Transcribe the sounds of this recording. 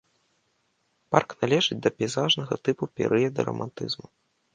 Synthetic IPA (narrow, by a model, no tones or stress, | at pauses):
parknalʲɛʐɨd͡zʲd̪ɐpʲɛzaʐnɐɣɐt̪ɨpupʲɛ̰ɾʔɨjɐd̪ɐ̰ɾɐ̰mʔa̰nt̪ɨ̰zmu